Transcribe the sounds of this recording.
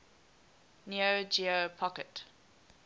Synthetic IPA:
niod͡ʒiopʰɔkət

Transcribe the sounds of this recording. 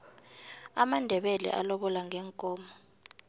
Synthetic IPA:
amandʱɛɓɛlɛ̰ʔalɔɓɔlaŋʱɛːŋkʼɔːmɔ

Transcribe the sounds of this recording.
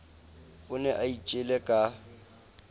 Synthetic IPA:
ʊnɛʔait͡ʃʼɪlɛkʼa

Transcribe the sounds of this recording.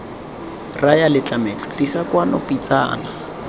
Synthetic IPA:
rajalɪt͡ɬʼamet͡ɬʼʊ̥t͡ɬisakwanɔpʼit͡sʼa̰ːna

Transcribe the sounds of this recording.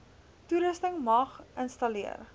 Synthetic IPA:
tuɾəstəŋmɐχʔənstɐliə̰r

